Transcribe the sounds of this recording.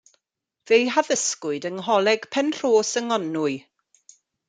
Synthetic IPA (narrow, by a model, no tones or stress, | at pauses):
v̥ejɦaðəskʊɨdəŋɦɔlˠɛɡ̥pʰɛnr̥oːsəŋɔnʊɨ